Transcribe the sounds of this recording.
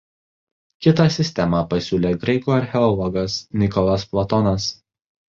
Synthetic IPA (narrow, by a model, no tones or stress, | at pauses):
kʲɪt̪ɑˑsʲɪsʲt̪ʲɛmɑpɐsʲuːlʲeːɡɾɐɪkuːɐɾʲxʲɛɔlˠɔɡɐsnʲɪkɔlˠɐsplˠɔt̪ɔnɐs